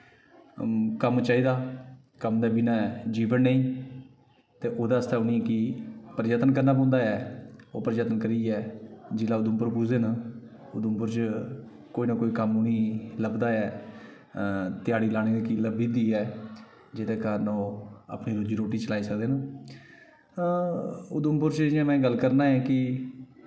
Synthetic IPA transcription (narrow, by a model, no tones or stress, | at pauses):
kəmt͡ʃaːiːd̪aː | kəmd̪aːbinãːɛd͡ʒiːʋənːeĩː | t̪eːʔoːd̪aːəst̪aːʊniːɛkɪpəɾd͡ʒaːt̪ənkəɾnaːpɔ̃ːnd̪aːɛːoːpəɾd͡ʒaːt̪ənkəɾiːɛːd͡ʒɪlaːʊd̪ʊmpəɾpuːd͡ʒd̪eːnaː | ʊd̪əmpʊɾt͡ʃ | koːiːnaːkoːiːkəmʊniːləbd̪aːɛː | t̪ɪjaːɽiːlaːɽ̃iːnːkiləbiːd̪iːɛː | d͡ʒɪd̪eːkəɾənoːa̰ːpɳiːɾoːd͡ʒiːɾoːʈːiːt͡ʃəlaːiːsəkd̪eːnaː | ʊd̪əmpʊɾt͡ʃd͡ʒɪjãːmɛ̃ːɡəlkəɾnaːɛ̃ːkɪ